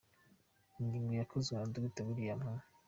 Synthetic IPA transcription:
inɡiŋɡojakʰozaduɡitaβiɾijaman

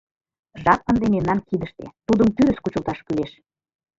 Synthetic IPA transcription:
ʒɑp̚ənd̪ememnɑnkid̪əʃt̪ḛt̪ud̪əmt̪yɾɘ̆skut͡ɕəlt̪ɑʃkyleʃ

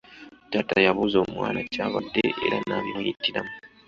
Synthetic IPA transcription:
tatajaβuzoːmwaːnacaːβadːe̞ʔḛɾanaβinojitːilamu

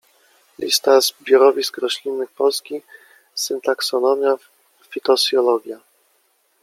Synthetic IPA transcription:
lʲḭst̪azbʲjɔɾɔvʲiskɾɔɕlʲinːɘxpɔlskʲi | sɨnt̪aksɔnɔmʲja | fʲit̪ɔzjɔlɔɡʲja

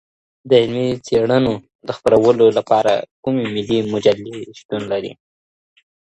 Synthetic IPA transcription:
d̪əɪlmet͡seɽəno | d̪əxpəɾawəlolapɑɾa̰kumemɪlimʊd͡ʒalːeʃt̪unlaɾḭ

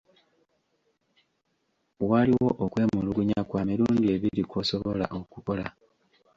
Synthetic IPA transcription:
waliwo̞ʔokwe̞ːmuluɡuɲakwaːmiluːndie̞βilikwo̞so̞βo̞la̰ʔo̞kuko̞la

